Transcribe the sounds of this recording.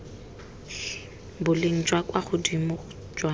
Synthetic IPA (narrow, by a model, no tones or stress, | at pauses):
bʊleŋ̩d͡ʒʼwakʼwaχʊdimʊ | d͡ʒʼwa